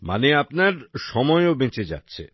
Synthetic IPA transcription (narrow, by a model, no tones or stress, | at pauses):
ma̰neapnaɾʃɔmɔeobet͡ɕed͡ʑa̰tːɕʰḛ